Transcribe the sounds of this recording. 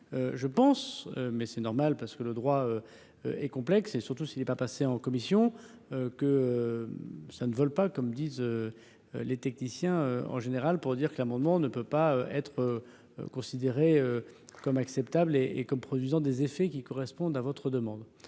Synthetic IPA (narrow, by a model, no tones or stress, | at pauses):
øʒəpɑ̃sø̰mɛsɛnɔʁmalpaʁsə̥kələd̪ʁwaø | ø̰ɛkɔ̃plɛksesyʁt̪usilɛpapaseɑ̃kɔmisjɔ̃økəø | sanəvœlpakɔmd̪izø̰ | let̪ɛk̚nisjɛ̃øɑ̰̃ʒeneʁalpuʁd̪iʁkəlamɑ̃d̪mɑ̃nəpøpaøʔɛt̪χø̰ | kɔ̃sid̪eʁeøkɔmaksɛpt̪ableʔekɔmpχɔd̪ɥizɑ̃d̪ezefɛkʲikɔʁɛspɔ̃d̪avɔt̪χəd̪əmɑ̃d̪